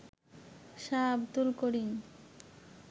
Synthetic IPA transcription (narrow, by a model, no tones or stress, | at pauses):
ʃabd̪ulkoɾin